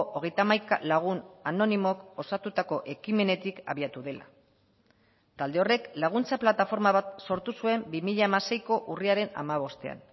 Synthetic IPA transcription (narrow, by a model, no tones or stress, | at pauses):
ʔoɣ̞e̞jt̪amajkalaɣ̞unano̞nimoko̞sat̪ut̪ako̞ʔe̞kime̞ne̞t̪ika̰βiat̪uðe̞la̰ | t̪ald̪e̞o̞re̞klaɣ̞unt͡saplat̪afo̞ɾmaβat̪so̞ɾt̪usue̞mbimiʎaːmase̞jko̞ʔuriaɾe̞na̰maβ̞o̞st̪e̞a̰n